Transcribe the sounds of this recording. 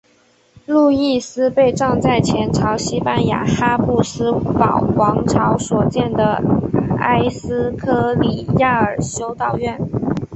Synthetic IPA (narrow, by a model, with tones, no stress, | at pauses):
lu˥˧i˥˩sɹ̩˥pe˥˧ɪʈ͡ʂɑ˥˧ŋt͡sa˥˩ɪt͡ɕʰjɛ˧˥nʈ͡ʂʰɑ˧˥ʊɕi˥pa˥˩nja̰˨˩xa˥pu˥˩sɹ̩˥ɑ˨˩ʊwɑ˧˥ŋʈ͡ʂʰɑ˧˥ʊswɔ˨˩t͡ɕjɛ˥˩nd̪ə˩a̰˥ɪsɹ̩˥kʰɤ˥˩li˨˩ja˥˩ə˞˨˩ɕjo˥ʊt̪ɑ˨˩ʊɥɛ˥˩n